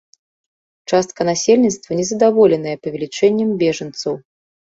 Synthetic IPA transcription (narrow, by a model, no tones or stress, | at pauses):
t͡ʂast̪̚kɐnasʲelʲnʲit̪st̪vɐnʲɛzɐd̪avɔlʲɛnɐjɛpɐvʲɛlʲit͡ʂɛnʲːɐmbʲɛʐɐnt̪sɐw